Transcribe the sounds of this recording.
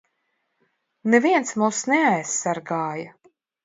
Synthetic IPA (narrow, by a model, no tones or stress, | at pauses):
nɛviɛnsmuːsnɛajsːaɾɡaːja